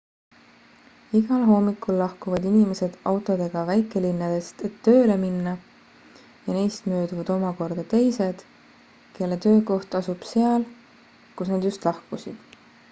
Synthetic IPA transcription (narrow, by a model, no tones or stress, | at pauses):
iɡ̥ɑlɦo̞ːmikːˑulːɑhkuvɑd̪inime̞se̞d̪̥ɑwt̪ˑo̞d̪̥e̞ɡ̥ɑvæjkˑelinːɑd̪̥e̞st̪e̞t̪ːø̞ːle̞minːɑ | jɑnejst̪mø̞ːd̪uvɑd̪̥o̞mɑko̞rd̪̥ɑt̪e̞jse̞d̪̥ | ke̞lːe̞t̪ø̞ːko̞ht̪ɑsub̥se̞ɑl | kusnɑd̪̥just̪lɑhkusḭd̪̥